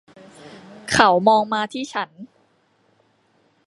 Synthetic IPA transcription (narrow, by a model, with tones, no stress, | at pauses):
kʰa˨˦wmɔː˧ŋmaː˧t̪ʰiː˥˩t͡ɕʰa˦˥n